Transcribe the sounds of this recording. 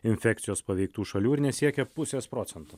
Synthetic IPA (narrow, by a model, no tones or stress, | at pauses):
ɪnʲfʲæːkt̪ʲɪjoːspɐʋʲɛɪk̚t̪uːʃɐlʲuːɪɾnʲɛsʲiɛkʲɛpʊsʲeːspɾoːt̪sʲɛnt̪u